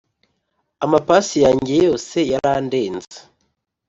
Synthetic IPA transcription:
amapaːsijaːɲɟe̞jo̞ːse̞jaɾaːnde̞ːnzḁ

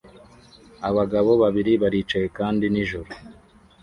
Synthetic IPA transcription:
aβaɡaβo̞βaβiɾiβaɾit͡ʃajekaːndiniʒuɾu

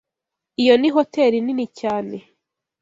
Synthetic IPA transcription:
ijo̞niɦoteɾininicaːne̞

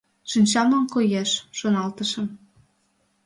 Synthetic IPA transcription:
ʃinʲt͡ɕɑmlɑnkojeʃʃonɑlt̪əʃə̆m

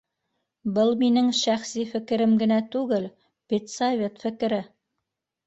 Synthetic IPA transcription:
bɤlˠminɘŋʃæχsifɘ̆kɘ̆ɾɘmɡɘ̆næt̪ʉɡɘl | pit̪savʲe̞t̪fɘ̆k̆ɾɘ

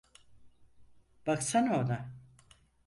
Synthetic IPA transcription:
b̥aksanoːd̪a

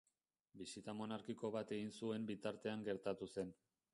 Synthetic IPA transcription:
bisit̪amo̞naɾkiko̞βat̪e̞ɣinsue̞mbit̪aɾt̪e̞aŋɡe̞ɾt̪at̪use̞n

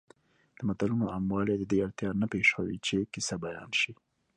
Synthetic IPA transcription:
d̪̥əmat̪alunoamwɑled̪əd̪eaɾt̪jɑnapeʃawḭt͡ʃekisabajɑ̰nʃi

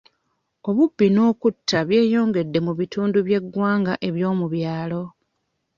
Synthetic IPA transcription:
o̞βubːino̞ːkutːaβje̞ːjo̞ːŋɡe̞dːe̞muβituːnduβje̞ɡːwaːŋɡaʔe̞βjo̞ːmuβjaːlo̞

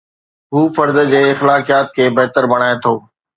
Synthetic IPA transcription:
ɦuːfɐɾd̪əd͡ʑeːɪxlaːkijaːt̪̚kʰeːbɐɦt̪əɾbɐɽ̃aːet̪ʰoː

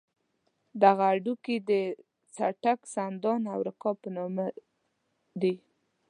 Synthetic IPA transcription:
d̪aɣaːɖukid̪ə | t͡saʈaksand̪ɑnawɾɪkɑpənɑma | d̪i

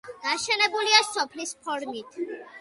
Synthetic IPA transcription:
d̪̥aʃɛnɛbuliasɔpʰlispʰɔɾmit̪ʰ

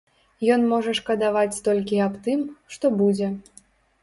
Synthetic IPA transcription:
jɔn̪mɔʐɐʂkɐd̪avat͡sʲt̪ɔlʲkʲiapt̪ɨmʂt̪ɔbud͡zʲɛ

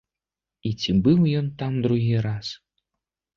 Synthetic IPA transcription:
it͡sʲibɨwjɔnt̪amd̪ɾuɦʲiɾas

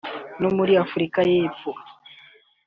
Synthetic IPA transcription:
nomuɾiafuɾikajeːpfo

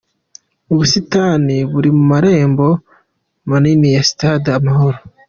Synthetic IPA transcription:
uβusitaːniβuɾimumaɾe̞ːmbo̞ | maninijasi̥taːdamaɦo̞ɾo

